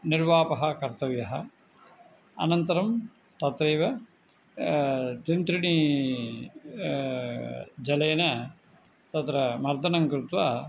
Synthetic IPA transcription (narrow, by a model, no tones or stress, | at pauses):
niɾʋaːpɐɦɐ̆kɐɾt̪ɐʋjɐɦɐ | ɐ̰nɐnt̪ɐɾɐm | t̪ɐt̪ɾɐːʋɐ | t̪int̪ɾiɳi | d͡ʒɐleːnɐ | t̪ɐt̪ɾɐmɐɾd̪ɐnɐŋkɾut̪ʋaː